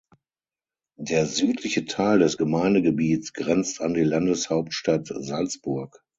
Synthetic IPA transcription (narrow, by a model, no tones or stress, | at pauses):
deːɐzyːtʰlɪçətʰaɪldɛsɡ̥əmaɪndəɡəbiːt͡sɡ̥ʁɛnt͡standiːlandəshaʊp̚tʃtatzalt͡sb̥ʊɐk